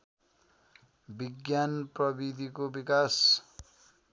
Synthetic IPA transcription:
biɡjanprʌbid̪ʱikobikas

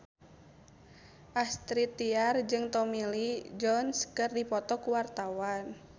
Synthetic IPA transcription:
ʔast̪ɾit̪iard͡ʒɨŋt̪ɔmilid͡ʒɔnskɨrdipɔt̪ɔkuwart̪awan

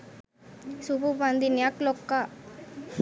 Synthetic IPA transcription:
sububand̪injaklɔkːa

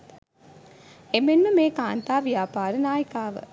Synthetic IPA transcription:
emenməmeːkaːnt̪aːʋijaːpaːɾənaːjəkaːʋə̰

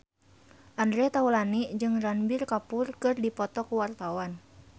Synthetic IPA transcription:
ʔandɾɛt̪aulanid͡ʒɨŋranbirkapʊrkɨrdipɔt̪ɔkuwart̪awan

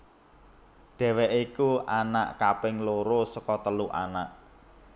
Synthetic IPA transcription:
ɖ̥ɛ̤wɛʔikuʔana̰ʔkapɪŋloɾosɔkɔt̪əluʔa̰na̰ʔ

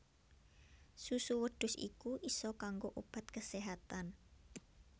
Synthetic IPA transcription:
susuwəɖ̥ʊ̤sḭkuʔisɔkaŋɡoʔob̥a̤t̪̚kəseɦat̪an

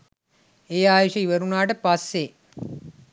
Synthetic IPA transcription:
eːaːjoʃɐiʋəɾunaːʈəpasːe

